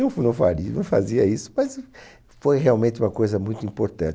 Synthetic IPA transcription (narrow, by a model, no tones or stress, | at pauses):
ũfnɐ̃w̃faɾinɐ̃w̃fa̰ziɐisʊ̥mɐz | fojheawmẽnt̪ɪũmɐkojzɐmũj̃t̪ʊĩpoɾt̪ɐ̰̃t͡ʃ